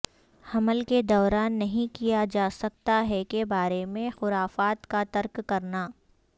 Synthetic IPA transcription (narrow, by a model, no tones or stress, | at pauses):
ɐməlked̪ɔːɾaːnːɐɦĩkijad͡ʒaːsɐk̚t̪aɦɛkebaːɾemẽxʊɾaːfaːt̪kat̪ɐɾkːɐɾnaː